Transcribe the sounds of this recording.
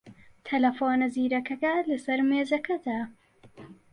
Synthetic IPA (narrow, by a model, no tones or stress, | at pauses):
t̪ʰɐlɐfoːnɐziːɾɐkɐkɐlɐsɐɾmeːzɐkɐd̪a